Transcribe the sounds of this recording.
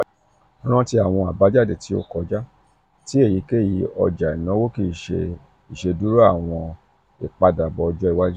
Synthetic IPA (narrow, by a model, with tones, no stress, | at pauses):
ɾ̃ã˦ti˦a˨w̃ɔ̃˧a˨ba˨˦d͡ʒa˦˨de˨ti˨˦o̰˦kɔ˧d͡ʒa˦ | ti˦e˦˨ji˨˦ke˦˨ji˨˦ɔ̰˧d͡ʒa˨i˨nã˨˦wo˦ki˧˦˨ʃe˧ | i˨ʃe˧du˦ɾu˦a˦˨w̃ɔ̃˧ | e˨k͡pa˧da˨bɔ˧ɔ˧d͡ʒɔ˦i˦˨wa˦d͡ʒi˦